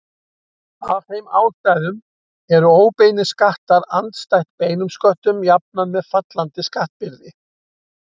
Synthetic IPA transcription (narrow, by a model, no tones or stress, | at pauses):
avhejma̰ːwst̪ajðʏm | ɛɾʏoːwpeːjnɪskaht̪aɾa̰nt̪st̪ajht̪̚peːjnʏmskœht̪ʏmjap̚namɛðfat̪lant̪ɪskaht̪̚pɪɾðɪ